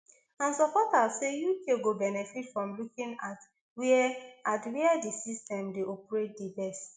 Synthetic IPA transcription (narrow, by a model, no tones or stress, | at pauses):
ãnsɔpɔtasejukʰeɡobɛnɛfitfɹɔ̃mlukĩŋat | watwiɛdisistɛ̃mdeʔɔpɹet̚dibɛst